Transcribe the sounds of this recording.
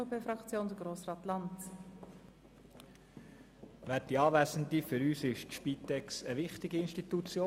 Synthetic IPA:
opʰeːfɾɑkt͡sjoːndəɡroːsrɑːt̪lɑnt | ʋætiɑːʋæsənt̪ifʏɾyːsɪʃtʃpit̪ɛksəʋɪχt̪ɪɡiɪnʃtit̪ut͡sjoː

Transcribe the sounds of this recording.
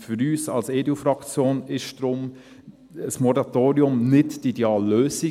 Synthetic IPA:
fʏɾyːsɑ̰lseːdufɾɑkt͡sjoːnɪʃd̥ɾʊm | əsmɔɾɑt̪oːɾiʊmnɪtdideɑːlːøːsi

